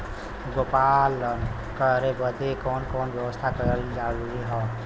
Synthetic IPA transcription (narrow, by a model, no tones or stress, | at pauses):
ɡoːpal | kəɾebəd̪ekɔːnkɔːnbjəwəst̪ʰakəɾəlĩd͡ʒaɾuɾiɦɔː